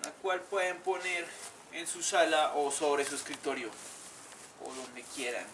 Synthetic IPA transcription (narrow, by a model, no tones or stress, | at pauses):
nakwalpwe̞ðempo̞ne̞ɾ | ensusalaʔoso̞βɾe̞sueskɾit̪o̞ɾjo | o̰ðo̞nd̪e̞kje̞ɾa̰n